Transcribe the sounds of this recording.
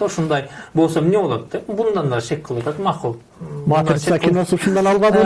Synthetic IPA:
oʃund̪ɑjbo̞lˠsomnebolˠod̪d̪epbund̪ɑnd̪ɑʃe̞k̚ʲqʰəlˠwɑt̪ʰɑt̪mɑqulˠ | mɑt̪sʃɑkʰʲino̞suʃund̪ɑnɑlˠβɑd̪ə

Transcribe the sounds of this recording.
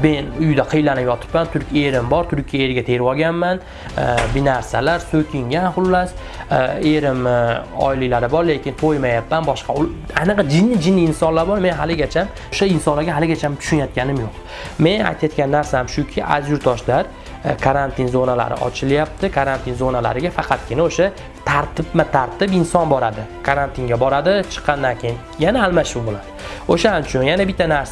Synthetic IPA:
menʊjd̪aqʰɨjlanɪpjɒt̪ʰɪ̥pmant̪ʰʊɾkʲe̞ɾɪmbɒɾt̪ʰʊɾkʲʰijaeɾɡʲat̪ʰe̞ɾwɒɡʲanman | bɪnaɾsalaɾsɵkʲʰɪŋɡʲanχʊlːas | eɾɪmɒ̰jlilaɾɪbɒɾle̞kʲɪnt̪ʰojmajapːanbɒʃqɑʊlajnɨqd͡ʒɪnːɪd͡ʒɪnːiːnsɒnlaɾbɒɾme̞nɦalɪɡʲat͡ʃʰam | ʊʃaɪnsɒnlaɾɡʲaɦalɪɡʲat͡ʃʰamt̪ʰʊ̥ʃʊnjat̪̚kʲanɪmjoq̚ | me̞na̰jt̪ʰajat̪̚kʲanːaɾsaamʃʊkʲʰɪʔa̰zjʊɾt̪ʰɒʃlaɾ | kʰaɾant̪ʰɪnzonala̰ɾɪ̰ʔɒ̰t͡ʃʰɪljap̚t̪ʰɪkʰaɾant̪ʰinzonala̰ɾɪɡʲafɑqʰɑt̪̚kʲɪnaoʃa | t̪ʰaɾt̪ʰɪpmat̪ʰaɾt̪ʰɪpɪnsɒnbɒɾad̪ɪkʰaɾant̪ʰiŋɡʲabɒɾad̪ɪt͡ʃʰɨ̥qʰːɑnd̪ankʲʰejɪnjanaːlˠmaʃʊbolad̪̥ɪoʃanɪt͡ʃʰʊnjanabɪt̪ʰːanaɾsa

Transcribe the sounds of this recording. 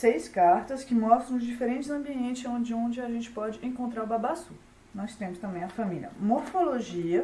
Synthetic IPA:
sejskaɾt̪ɐskɪmɔst̪ɾɐ̃w̃ʊzd͡ʒifeɾẽnt͡ʃɪzɐ̃mbiẽnt͡ʃɪzõd͡ʒɪõnd͡ʒɪaʒẽnt͡ʃɪ̥pɔd͡ʒɪʔẽkõnt̪ɾaɾbabasu | nɔst̪ẽmʊst̪ɐ̃mbẽj̃ɐfɐ̃milʲɐ̰moɾfoloʒiɐ

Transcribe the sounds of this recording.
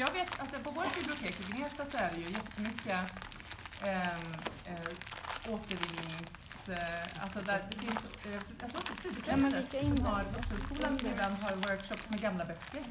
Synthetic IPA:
jɑːɡveːt̪alsɔpʰɔvoːɾat̪bɪblɪʊt̪ʰeːkəɡɪneːst̪asɔæɖɛjɵjɛt̪ːəmʏkːə | ʔoːt̪əɾvɪnːɪŋs | a̰lsɔd̪æɾd̪ɛfɪns | ɑjɑt̪ʰɾoːt̪ːəst̪ʉt̪ʰɛmːəɛsɔmhaɾd̪ɔffœʂkuːlansɛd̪anɦɑɾwœɾkʂɔpsmɛɡamlabœkːəɾ

